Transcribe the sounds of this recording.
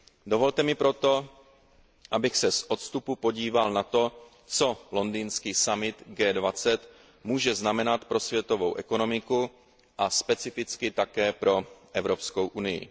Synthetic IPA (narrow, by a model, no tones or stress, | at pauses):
dovo̞lt̪ɛmɪpɾo̞t̪o̞ | ʔabɪxsɛsʔot̪st̪upupo̞ɟiːvalnat̪o̞ | t͡so̞lo̞ndiːnskiːsamɪt̪ɡɛːdvat͡sɛt̪ | muːʒɛznamɛnat̪pɾo̞svjɛt̪o̞vo̞wʔɛko̞no̞mɪku | ʔaspɛt͡sɪfɪt͡skɪt̪akɛːpɾo̞ʔɛvɾo̞pskowʔunɪjɪ̰